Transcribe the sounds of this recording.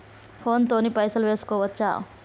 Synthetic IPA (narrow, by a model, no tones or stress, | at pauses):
pʰoːnt̪onipɐjsɐlʋeskoʋɐt̪ːt͡ʃa̰